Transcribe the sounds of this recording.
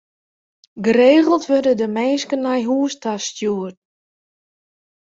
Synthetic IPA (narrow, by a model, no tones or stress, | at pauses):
ɡəɾeːɣəlˠtʰʋørdədəmɛːskənːajɦuːəstastjuːət